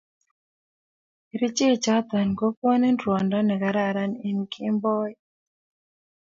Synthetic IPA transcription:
ɾi˦t͡ʃɪ˦˨t͡ʃa˦t̪a˨nko˦kwɔ˦ne˦ndwɔ˨ndɔ˦nɛ˨ka˨ɾa˦˨ɾa˦ni˦nkʰɪ˦mbɔ˦i˦

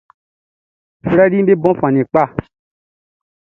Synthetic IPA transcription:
fɾɛ˦li˦ɓe˦bɔ̃˦fã˨nĩ˨k͡pa˦˨

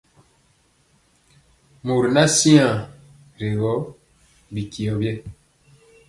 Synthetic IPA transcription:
mu˨ɾna˦si˦ã˨ | ɾe˨ɣɔ˨˦ | bi˨ki˨ɔ˨bje˦

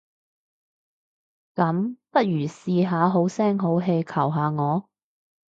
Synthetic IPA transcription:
kɐ˨˥mpɐ˥t̚jyː˨˩siː˧ɦaː˨˧ɦo˨˥wsɛː˥ŋɦo˨˥wɦe˧jkʰɐ˨˩wɦaː˨˧ŋɔː˨˧

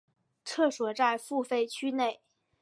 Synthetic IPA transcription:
ʈ͡ʂʰɤ˥˩ʂwɔ˨˩˦t͡sa˥˧ɪfu˥˧fe˥˧˩ɪt͡ɕʰy˥ne˥˩ɪ

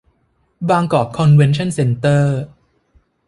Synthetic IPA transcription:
baː˧ŋkɔː˨˩p̚kʰɔ˧nwe˦nt͡ɕʰɔ˥˩nse˧nt̪ɤː˥˩

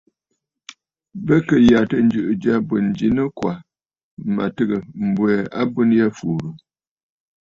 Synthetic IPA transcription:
bə˦kə˨ja˨tə˦n̩˦d͡ʒɨ˨ʔɨ˨d͡ʒa˦bə˨n˨d͡ʒi˨˦nə˦kwa˨ | ma̰˨tə˦ɡə˨m̩˨bwɛ˨a˦bu˦n˦ja˦fu˨ɾu˨

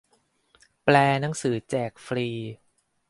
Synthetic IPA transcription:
plɛː˧na˦ŋsɯː˩˦t͡ɕɛː˨˩k̚fɾiː˧

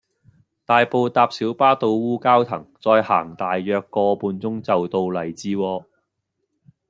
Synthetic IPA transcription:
t̪aː˨jpo˨˧wt̪aː˧p̚siː˨˥wpaː˥t̪o˧wwuː˥kaː˥wt̪ʰɐ˨˩ŋt͡sɔː˧jha̰ː˨˩ŋt̪aː˨jːœː˨˧kːɔː˧puː˨˧nt͡sʊ˥ŋt͡sɐ˨wt̪o˧wlɐ˨˩jt͡siː˧wɔː˧

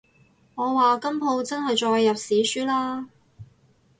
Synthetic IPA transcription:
ŋɔː˨˧waː˨kɐ˥mpʰo˧wt͡sɐ˥nɦɐ˨jt͡ʃɔː˧jːɐ˨p̚siː˨˥syː˥laː˥

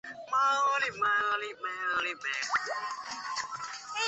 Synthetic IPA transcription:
ma˦li˨ma˧li˧˨mɛ˧˦˧li˨mɛ˨

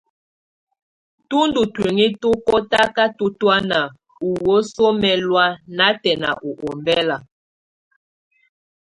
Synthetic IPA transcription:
tu˦ndu˨twe˨ŋi˦tu˦kɔ˦ta˦ka˦tu˦twa˦na˨ | u˨wo˦so˦mɛ˨lwa˦na˦tɛ˨na̰˨ʔu˨ʔo˨mbɛ˦la˨

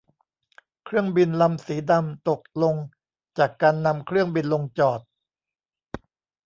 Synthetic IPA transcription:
kʰɾɯ˥˩əŋbi˧nla˧msiː˩˦da˧mt̪o˨˩k̚lo˧ŋ | t͡ɕaː˨˩kːaː˧nːa˧mkʰɾɯ˥˩əŋbi˧nlo˧ŋt͡ɕɔː˨˩t̪̚

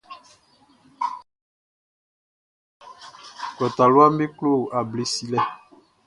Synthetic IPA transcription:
kɔ˨ta˨lwa˦mbe˦klo˦˨a˨ble˨si˦lɛ˦

